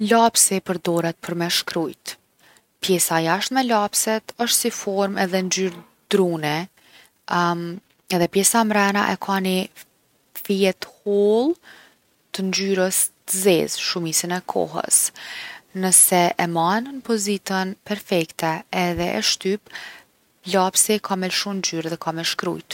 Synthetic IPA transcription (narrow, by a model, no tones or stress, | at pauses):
lapsipəɾd̪ɔɾɛt̪̚pʰəɾmɛʃkɾujt̪ | pjɛsajaʃt̪mɛlapsɛt̪əʃt̪sifɔɾmɛðɛnd͡ʒyɾ | d̪ɾunɛ | ɛðɛpjɛsamɾɛna̰ʔɛkʰani | fiɛt̪hɔlˠ | t̪ənd͡ʒyɾəst̪əzɛzʃumisinɛkʰɔ̰ɦə̰s | nəsɛʔɛmannəpɔzit̪ənpɛɾfɛkt̪ɛːðɛʔɛ̰ʃt̪yp | lapsɛkʰamɛlʃumnd͡ʒyɾðɛkʰamɛʃkɾṵjt̪